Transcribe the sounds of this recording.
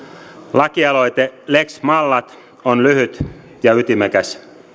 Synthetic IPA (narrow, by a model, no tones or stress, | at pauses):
lɑkiɑlojt̪eleksmɑlːɑt̪ | onlyhyt̪ | jɑyt̪imækæsʲ